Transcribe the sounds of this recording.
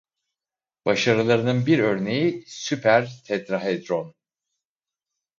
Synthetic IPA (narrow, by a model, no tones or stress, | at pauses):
b̥aʃaɾɯlˠaɾɯnɯnbiɾø̞ɾne̞jisypʰæɾt̪ʰɛt̪ɾaɦed̪ɾon